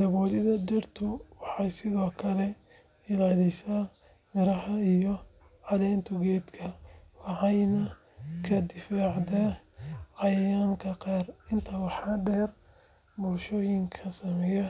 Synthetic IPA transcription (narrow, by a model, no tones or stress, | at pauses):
d̪̥ɐβɔːlɪðɐd͡ʒɛrt̪ʰʊwɑħɑjsɪðɔːkʰɐlɛ | ɪlaːlɪsaː | mɪɾɐhɐijɔ | ʕɑðɛːnt̪ʰʊɡɛːd̪kʰɐwɑʕɑjnɐ | kʰɐd̪ɪfaːʕd̪a | ʕɑjjaːŋkʰɐqɑːrɪnt̪ʰɐwɑħɑɖɛːr | bʊlʃɔːjɪŋkʰɐsɐmɛjɐ